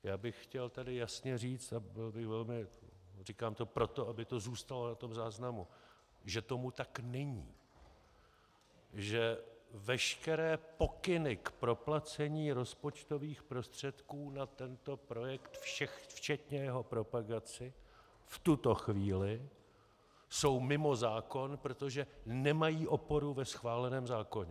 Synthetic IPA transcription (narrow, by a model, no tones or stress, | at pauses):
jaːbɪxxcɛlt̪adɪjasɲɛriːt͡st̪abɪlbɪxvɛlmɪ | riːkaːmt̪o̞pɾo̞t̪o̞abɪt̪o̞zuːst̪alo̞nat̪o̞mzaːznamu | ʒɛt̪o̞mut̪aknɛɲḭː | ʒɛvɛʃkɛɾɛːpo̞kɪnɪkpɾo̞plat͡sɛɲiːɾo̞spo̞t͡ʃt̪o̞viːxpɾo̞st̪r̝̥ɛt̪kuːnat̪ɛnt̪o̞pɾo̞jɛkt̪fɛft͡ʃɛt̪ɲɛjɛɦo̞pɾo̞paɡat͡sɪ | ft̪ut̪o̞xviːlɪ | so̞wmɪmo̞zaːko̞npɾo̞t̪o̞ʒɛnɛmajiːʔo̞po̞ɾuvɛsxvaːlɛnɛːmzaːko̞ɲɛ